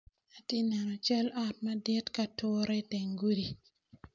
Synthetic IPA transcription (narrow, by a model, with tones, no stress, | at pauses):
a˨ti˦nɛ˨nɔ˨t͡ʃɛ˦la˨t̚ma˦dɛ˦tka˨tʊ˦ɾɛ˦tɛ˨ŋɡu˦di˨